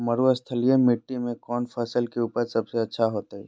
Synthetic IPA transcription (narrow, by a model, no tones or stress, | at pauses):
məɾuəst̪ʰəlijemɪʈːimẽkɔːnpʰəsəlkeuːpəɾsɐbseɐtːʃʰaɦoːt̪aɦɛ̰ː